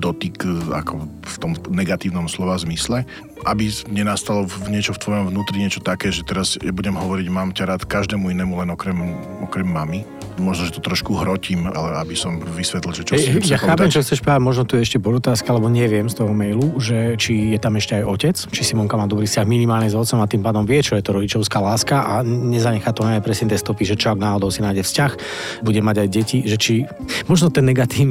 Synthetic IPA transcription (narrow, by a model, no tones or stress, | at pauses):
d̪ɔt̪ika̰kʰɔ | ft̪ɔmnɛɡat̪iːʊnɔmslɔʋazmislɛ | ʔabimɲɛnast̪alɔɲɪɛt͡ʃɔft̪ʋɔjɔmʋnuːt̪ɾiɲɪɛt͡ʃɔt̪akɛːʒɛt̪ɛɾazɛbuɟɛmɦɔʋɔɾiɟmaːmcaɾaːt̪kaʒd̪ɛːmuinɛːmulɛnɔkɾɛm | ɔkɾɛmːami | mɔʒnɔʒɛt̪ɔt̪ɾɔʃkuɦɾɔcima̰lɛabisɔmʋisʋɛt̪lilʒɛt͡ʃɔɛjaxaːpɛmt͡ʃɔxt̪t͡sɛʃpɾaamɔʒnɔt̪ujɛɛʃcɛpɔɾɔt̪aːskialɛbɔɲɛʋɪɛmst̪ɔɦɔmɛjluʒɛt͡ʃijɛt̪amɛʃcɛajɔcɛt͡st͡ʃisimɔŋkamaːd̪ɔbɾiːfscaɣminimaːlɲizɔt̪t͡sɔmat̪iːmpaːd̪ɔmʋɪɛt͡ʃɔjɛt̪ɔɾɔɟit͡ʃɔʊskaːlaːskaʔaɲɛzaɲɛxaːt̪ɔnaapɾɛsɲɛt̪ɛst̪ɔpiʒɛt͡ʃɔaɡnaːɦɔd̪ɔʊsinaːjɟɛfscax | buɟɛmaɟajɟɛciʒɛt͡ʃi | mɔʒnɔt̪ɛnːɛɡat̪iːn